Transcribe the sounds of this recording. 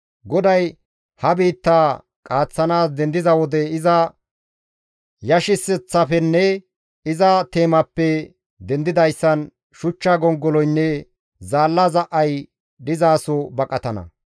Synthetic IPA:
ɡɔd̪ɐj | hɐbiːt̪ːaː | kʼaːt͡sːɐnaːs̬d̪ɛnd̪ɪzɐwɔd̪ɛɪzɐ | jɐʃɪsɛt͡sːɐfɛnːɛ | ɪzɐt̪e̞ːmɐpːɛ | d̪ɛnd̪ɪd̪ɐjsːɐn | ʃʊt͡ʃːaɡɔŋɡːɔlɔjnːɛ | zaːlːɐzɐʔɐj | dɪzaːsɔbɐkʼɐt̪ɐnɐ̰

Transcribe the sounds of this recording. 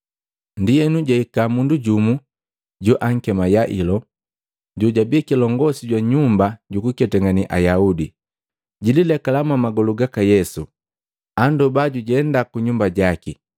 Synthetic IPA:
ndijɛnuɟaikamunduɟumu | ɟuʔaŋ̩kɛmajaʔilɔ | ɟuɟabikilɔŋɡɔsiɟwaɲumbaɟukukɛtɛŋɡaniʔa̰jaudi | ɟililɛkalamwamaɡɔluɡakajɛsu | andɔbaɟuɟɛndakuɲumbaɟaki

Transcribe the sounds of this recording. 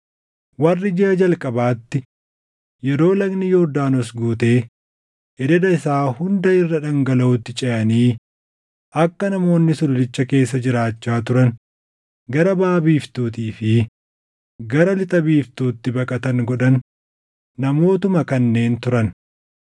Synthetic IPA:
wɐrːɪd͡ʒɪɐd͡ʒɐlkʼɐbaːt̪ːɪ | jɛɾo̞ːlɐɡnɪjod̪aːnɔsɡuːt̪e̞ː | ʔɛd̪ɛd̪ɐɪsaːhʊnd̪ɐɪrːɐᶑɐŋɡɐlɐʊt̪ːɪt͡ʃʼɛʔɐniː | ʔɐkːɐnɐmo̞ːnːɪsʊlʊlɪt͡ʃːɐke̞ːs̬ːɐd͡ʒɪɾaːt͡ʃːaːt̪ʊɾɐn | ɡɐɾɐbaːbiːft̪uːt̪iːfɪ | ɡɐɾɐlɪt̪ʼɐbiːft̪uːt̪ːɪbɐkʼɐt̪ɐŋɡɔᶑɐnː | ɐmo̞ːt̪ʊmɐkɐnːe̞ːnt̪ʊɾɐn

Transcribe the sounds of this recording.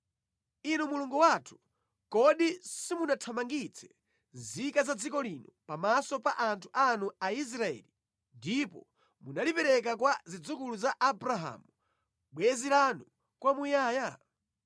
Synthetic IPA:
inumuluŋɡuwatʰu̥ | kɔɗisimunatʰamaŋɡit͡sʰɛ̥ | nzikazad͡zikɔlinɔpamasɔpaʔantʰu̥ʔanuais̬ɾaɛ̰ːli | ndipɔ̰ | munalipɛɾɛk̬akwazid͡zukuluzaʔabɾaɦa̰mu | ɓwɛzilanu | kwamujaːja

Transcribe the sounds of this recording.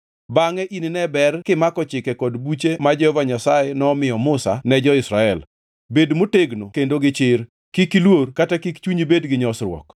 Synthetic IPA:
baŋɛʔininɛbɛrkɪmakɔt͡ʃɪkɛkɔdbut͡ʃemad͡ʒɛhɔvaɲasajenɔmɪjɔmʊsa̰nɛd͡ʒɔɪsɾaɛl | bedmoteɡnokendoɡɪt͡ʃɪɾ | kikilworkatakikt͡ʃuɲibedɡɪɲɔsɾwɔ̰k

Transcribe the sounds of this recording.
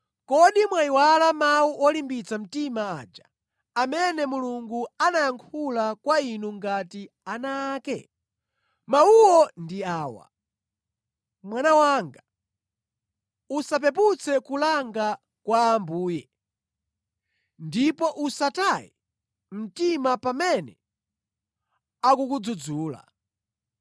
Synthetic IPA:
kɔɗimwaiwalamawuʔɔlimbit͡sam̩timaa̰ːd͡ʒa | amɛnɛmuluŋɡuanajaŋkʰulakwainuŋɡati | anakɛ̰ | mauwɔndiaːwa̰ | mwanawaŋɡa | usap̬ɛp̬ut͡sʰɛkulaŋɡa | kwaːmbuːjɛ | ndipɔʔusatajḭ | m̩timapamɛnɛ | akukud͡zud͡zuːla̰

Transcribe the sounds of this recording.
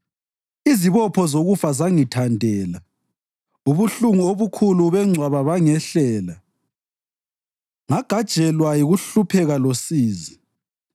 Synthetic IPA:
iziβɔpʰɔzoɣufazaŋitʰandʱɛːla | uβuɬuŋuoβukʰuluβɛŋ͡ǀʱwaβaβaŋɛɬɛːla | ŋaɡ̥ʱad̥ʒ̥ʱɛlwajiɣuɬupʰɛɣalosiːzi

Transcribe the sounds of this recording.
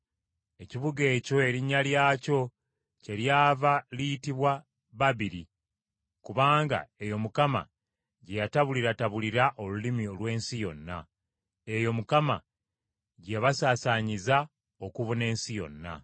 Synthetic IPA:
e̞ciβuɡe̞ːco̞e̞ɾiɲːaljaːco̞ | ce̞ɾjaːvalijitiβwa | βaβiɾi | kuβaːŋɡa̰e̞jo̞mukama̰ | ɟe̞jataβuliɾataβuliɾaʔo̞lulimio̞lwe̞ːnsijo̞̰nːa̰ | e̞jo̞mukama̰ | ɟe̞βasaːsaɲiza | o̞kuβune̞ːnsijo̞̰nːa̰

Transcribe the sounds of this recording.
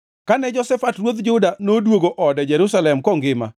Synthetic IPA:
kanɛd͡ʒɔsɛfatrwot̪d͡ʒʊdanodwoɡoʔɔdɛd͡ʒɛɾʊsalɛmkɔŋɡɪma̰

